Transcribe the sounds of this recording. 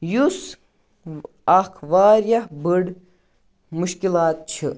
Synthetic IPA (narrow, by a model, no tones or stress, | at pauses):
jus | ɐkʰʋaːɾjɐhbəɽ | muʃkilaːt̪̚t͡ʃʰɨ